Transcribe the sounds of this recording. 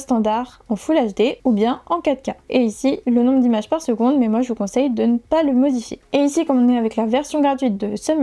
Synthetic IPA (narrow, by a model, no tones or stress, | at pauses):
st̪ɑ̃d̪aʁ | ɑ̃fulaʒd̪eubjɛ̃ɑ̃kad̪kaeisilənɔ̃bʁəd̪imaʒpaʁsəɡɔ̃d̪mɛmwaʒəvukɔ̃sɛjd̪ənəpaləmɔd̪ifjḛeisikɔ̃mɔ̃nɛavɛklavɛʁsjɔ̃ɡʁat̪ɥit̪̚d̪əsəm